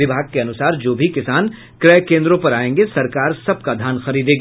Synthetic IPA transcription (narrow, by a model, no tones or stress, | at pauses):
ɪbʱaːɡ̚keɐnʊsaːɾd͡ʒoːbʱikɪsaːn | kɾɛːkẽːnd̪ɾõpɐɾaːẽːŋɡesɐɾkaːɾsɐb̚kad̪ʱjaːnxɐɾiːd̪ẽːɡaː